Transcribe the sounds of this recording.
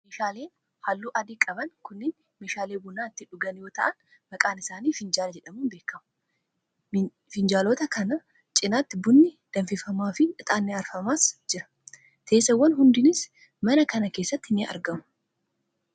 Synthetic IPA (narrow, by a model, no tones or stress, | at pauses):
meːʃaːle̞ːn | halːuːʔɐd̪iːkʼɐbɐnkʊnːɪn | meːʃaːleːbʊnːaːɪt̪ːɪᶑʊɡɐnjo̞ːt̪ɐʔɐn | mɐkʼaːnɪsaːniːfɪnd͡ʒaːlɐd͡ʒɛᶑɐmuːnbe̞ːkːɐmʊ̥ | fɪnd͡ʒaːloːt̪ɐkɐnɐ | t͡ʃʼɪnaːt̪ːɪbʊnːɪd̪̥ɐnfɪfɐmaːfɪᶑɪt̪ʼaːnːeɐɾfɐmaːsd͡ʒɪɾɐ̥ | t̪ʰeːsɐwːɐnɦʊnd̪ɪnɪs | mɐnɐkɐnɐke̞ːsːɐt̪ːɪnɪɐ̰ɾɡɐmʊ̥